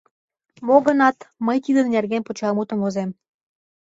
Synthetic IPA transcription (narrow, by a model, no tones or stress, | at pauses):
moɣənɑt̪məjt̪id̪ə̆nnʲerɣenpot͡ɕɑmut̪ə̆mozem